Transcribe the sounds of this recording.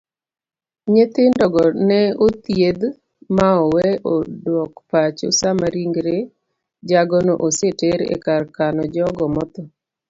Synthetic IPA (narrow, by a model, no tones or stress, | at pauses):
ɲet̪ɪndɔɡɔnɛot̪jed̪ | maɔwɛodwɔkpat͡ʃo̰samaɾiŋɡɾe | d͡ʒaɡɔnɔʔoseteɾḛkarkanɔd͡ʒɔɡɔmɔt̪ɔ